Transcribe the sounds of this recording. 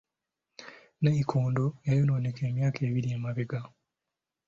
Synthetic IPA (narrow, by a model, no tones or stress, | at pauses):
neikʰoːndojajonoːnekeːmjaːkʰe̞ːβiɾiemaβeɡa